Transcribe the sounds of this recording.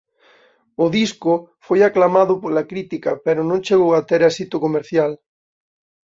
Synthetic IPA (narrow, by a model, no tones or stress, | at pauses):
ʊðiskʊfojaklamaðʊpolakɾit̪ikapeɾonõnt͡ʃeɣowat̪eɾesit̪okomeɾθjal